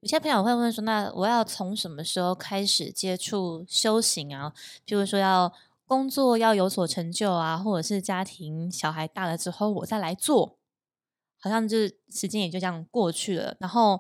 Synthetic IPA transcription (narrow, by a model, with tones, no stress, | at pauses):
i˥pʰjo˨˩˧wwə˥˩n˩ʂ̬wɔ˥na˥˩wʔɔ̰˨˩jɑ˥˩ʊt͡sʰo˧˦˥ŋʂə˧˥nmə˧ʂɻ̩˧˥xo˥˩ʊkʰa˥ɪʂɻ̩˨˩t͡ɕjɛ˥ʈ͡ʂʰu˥˩ɕjo˥ʊɕi˧˥ŋa˧pʰi˧˩u˧˥ʂwɔ˥jɑ˥˩ʊ | kʊ˥ŋt͡swɔ˥˨jɑ˥˩ʊjo˧˥ʊswɔ˨˩ʈ͡ʂʰə˧˥ŋt͡ɕjo˥˩ʊa˩xwɔ˥˩ʈ͡ʂɤ˨˩ʂɻ̩˥˩t͡ɕja˥t̪ʰi˧˥ŋɕjɑ˨˩ʊxa˧˥ɪt̪a˥˩d̪ə˩ʈ͡ʂɻ̩˥xo˥˩ʊwɔ̰˨˩t͡sa˥˩ɪla˧˥ɪt͡swɔ˥˩ | xɑ˨˩ʊɕjɑ˥˧ŋt͡ɕjo˥˩ʂɻ̩˧˥t͡ɕjɛ˥njt͡ɕjo˥˧ʊ˥jɑ˥˧ŋkwɔ˥˧t͡ɕʰy˥˩lə̰˩na˧˥nxo˥˩ʊ